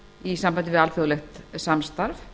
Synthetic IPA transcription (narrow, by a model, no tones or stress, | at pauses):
isampant̪ɪvɪalfowlɛxt̪samst̪aɾf